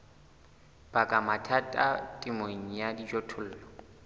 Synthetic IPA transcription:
b̥akʼamatʰatʼatʼɪmoŋ̩jadid͡ʒotʰʊl̩ːlɔ

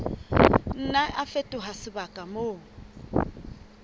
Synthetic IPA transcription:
n̩naʔafetʼʊɦasɪbakʼamoː

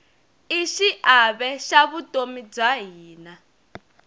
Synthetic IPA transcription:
iʃiʔaβɛʃaβutʼomid͡zwaɦiːna

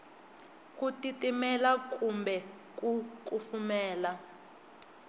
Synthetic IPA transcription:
kʼutitʼimɛlak̬ʼumbɛ | k̬ʼuk̬ʼufumɛːla

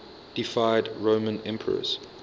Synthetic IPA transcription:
d̥ifaɪdɹõʊmə̃nɛ̃mpʰəɹə̰z̥

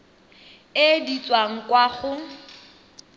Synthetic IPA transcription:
ɪdit͡sʼwaŋ̩kʼwaχʊ

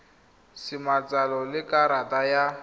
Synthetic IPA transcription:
simat͡sʼalɔlɪkʼaɾatʼaja

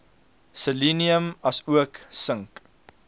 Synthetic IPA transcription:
səliniəmɐsuəksəŋk

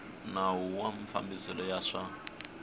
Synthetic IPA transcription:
nawuwamifa̰mbisɛlɔjaʂa

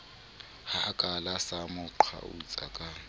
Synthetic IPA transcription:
hakʼalasamʊǃʰa̰ṵt͡sʼa̰kʼa

